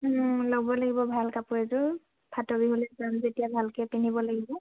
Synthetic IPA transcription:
loɡbɔlaɡibɔbʱalkapʊɹɛzʊ | pʰatobiɦolɛzanzetijabʱalkɛpinibɔlaɡibɔ

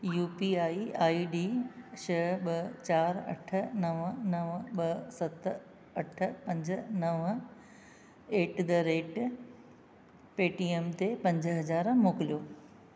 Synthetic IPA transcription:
juːpiaːiaːiɖiːʃɐɓɐt͡ɕaːɾɐ̰ʈʰə̆nɐʋnɐʋɓɐsɐt̪ | ɐʈ̆ʰpɐ̃ɲd͡ʑənɐʋ | eːʈd̪əɾeːʈ | peːʈiːeːmt̪epɐ̃ɲd͡ʑəɦɐzaːɾmoːkɪlijoː

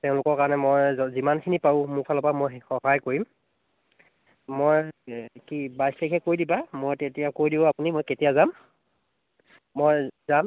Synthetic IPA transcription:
tɛʊ̃lʊkɔɹkaɹɔnɛmojzimankʰinipaʊ̃mukʰalɔpamojxɔɦajkoɹim | mojkibajslekɛkoɹjdibamojtetijakoɹjdibʊ̃apunimojketijazam | ojzam

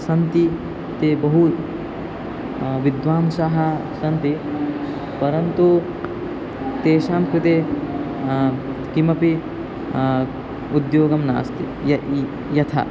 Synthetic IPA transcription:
sɐnt̪i | t̪eːbɐɦu | ʋid̪ʋaːmsaɦɐsɐnt̪i | pɐɾɐnt̪u | t̪eːʃaːmit̪e | kimɐpi | ud̪joːɡɐmna̰ːst̪i | jɐ | jɐt̪ʰɐ̰

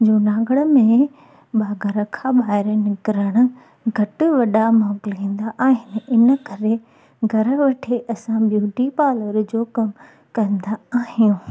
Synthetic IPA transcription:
d͡ʑoːnãːɡəɽəmẽ | ɓaːɡʱɐɾə̆kʰãɓaːɪɾnɪkɪɾəɽ̃ʊ̆ | ɡʱɐʈʊ̆ʋɐɗamaːɡɪlɦĩːn̆d̪aʔaːɦɪnɪ̆ɪnəkɐɾe | ɡʱɐɾə̆ʋɐʈʰeʔɐsãbjuːʈipaːləɾd͡ʑoːkɐm | kɐ̃nd̪aaːɦijũ

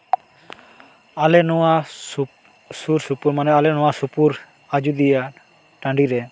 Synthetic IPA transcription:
alɛnɔwa | suɾsupuɾmanɛalɛnɔwasupuɾ | ad͡ʒud̪ija | ʈãɳɖiɾɛ

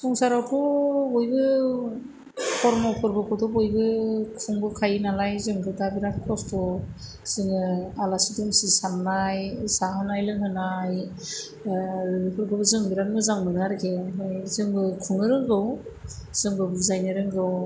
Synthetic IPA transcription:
sɔŋsaɾawkʰɔbɔjbɯ | pʰɔɾmɔpʰɯɾbɯkʰɔtɔbɔjbɯkʰuŋbɯkʰajnalajzɯŋɡʰɯtabiɾatkʰɔstʰɔ | z̥ɯŋɯalasidɯŋsisamnajsaɦɯnajlɯŋɦɯnaj | ɾɯpʰɯɾbʰɯbɯzɯŋbiɾanmɯzaŋmɯnaɾkʰezɯŋbɯkʰuŋnɯɾɯŋɡɯwz̥ɯŋbɯbizajneɾɯŋɡɯw

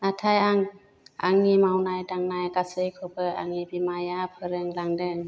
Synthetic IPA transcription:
natʰajaŋ | a̰ŋimawnajdaŋnajɡasɯjkʰɔbʰɯa̰ŋibimajapʰɯɾɯŋlaŋdɯŋ

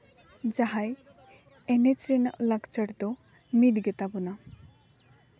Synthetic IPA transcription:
d͡ʒaɦaj | ɛnet͡ʃɾɛnaʔlakt͡ʃəɽd̪ɔ | miʈɡɛt̪abɔna

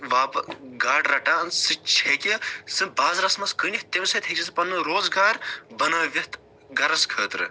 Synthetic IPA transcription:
ʋaːpɡaːɖɾɐʈaːnsɨt͡ʃʰekʲisɨbaːzɾɐsmɐskɨnʲiht̪emsɐt̪ʰɐt͡ʃʰis̬ɨpɐnːɨɾoːzɡaːɾbɐnaːʋʲɐt̪ | ɡɐɾɐskʰəːt̪ɾɨ̰

